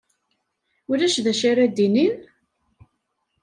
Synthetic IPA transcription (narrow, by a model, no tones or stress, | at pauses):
ʊlæʃðæʃaɾæd̪inin